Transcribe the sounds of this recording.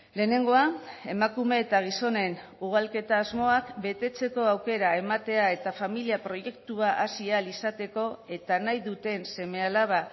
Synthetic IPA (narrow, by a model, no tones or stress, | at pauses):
le̞ːne̞ŋɡo̞ae̞makume̞ːt̪aɣ̞iso̞ne̞n | uɣ̞alke̞t̪aːzmo̞akbe̞t̪e̞t͡se̞ko̞awke̞ɾae̞mat̪e̞ae̞t̪afamiliapɾo̞je̞kt̪uaʔasialisat̪e̞ko̞e̞t̪anajðut̪e̞nse̞me̞alaβa